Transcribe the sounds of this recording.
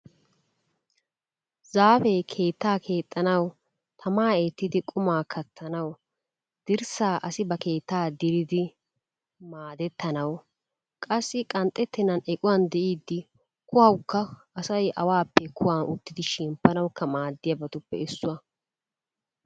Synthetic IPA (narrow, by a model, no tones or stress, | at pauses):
zaːfɛkʰe̞ːt̪ːaːkʰe̞ːt̪ʼːɐnɐw | t̪ʰɐmaːeːt̪ːɪd̪ɪkʼʊmaːkʰɐt̪ʰːɐnɐw | d̪̥ɪɾsaːʔɐsɪbɐke̞ːt̪ːaːd̪ɪɾɪd̪ɪ | maːd̪ɛt̪ːɐnɐw | kʼɐsːɪkʼɐnt̪ʼːɛt̪ːɪnɐnɛkʼʊwand̪ɛʔiːd̪ːɪ | kʊhɐwkːɐʔɐsɐjɐwaːpːɛkʰʊwaːnʔʊt̪ːɪd̪ɪʃɪmpːɐnɐwkːɐmaːd̪ːɪjɐbɐt̪ʊpːɛ̰ɪsːʊɐ